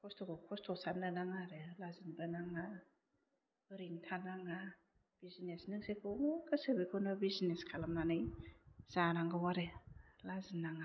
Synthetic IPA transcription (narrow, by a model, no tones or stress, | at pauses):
kʰɔstʰokɔkʰɔstʰɔsannɯnaŋaɾelazinbanaŋa | bɯɾintʰanaŋa | b̥izinesnɯŋsekʰomokʰɯsɯbikʰɯnabizneskʰalamnanɯjzaɾaŋɡɯwaɾelazinːaŋa